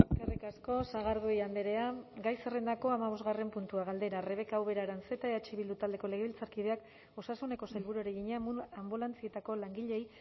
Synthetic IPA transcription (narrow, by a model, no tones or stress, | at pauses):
eskarikasko̞saɣaɾðuejand̪eɾe̞aɡajsere̞nd̪ako̞amaβ̞o̞zɣare̞mpunt̪uaɣ̞ald̪e̞ɾare̞βe̞kawβe̞ɾaɾanse̞t̪aeat͡ʃiβild̪ut̪ald̪e̞ko̞le̞ɣ̞eβilt͡saɾkið̞e̞ak | o̞sasune̞ko̞sajlβuɾueɾeɣiɲambulant͡sie̞t̪ako̞laŋɡiʎe̞j